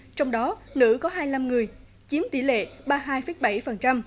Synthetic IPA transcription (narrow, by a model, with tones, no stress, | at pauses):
t͡ɕɔ˧wŋ͡mɗɔ˨˦nɨ̰˧˥kɔ˨˦ɦaː˧jla˧mŋɨ˨˩əj | t͡ɕi˨˦əmt̪i˧˩lḛ˧˨ɓaː˧ɦaː˧jfə˨˦j̚ɓa˧˩jfə˨˩nt͡ɕa˧m